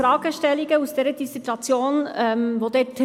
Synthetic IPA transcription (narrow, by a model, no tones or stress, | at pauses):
ɾaːɡ̥əʃtɛliɡəusd̥eːɾəd̥isituɑt͡sjoːnɛmvoːd̥̪eːtʰ